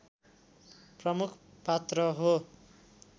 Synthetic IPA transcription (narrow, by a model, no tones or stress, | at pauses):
prʌmukʰpat̪rʌɦo